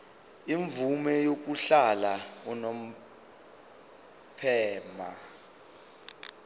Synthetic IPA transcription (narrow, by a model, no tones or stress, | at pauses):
iɱvumɛjok̬uɬalaunom̩ | pʰɛːma̰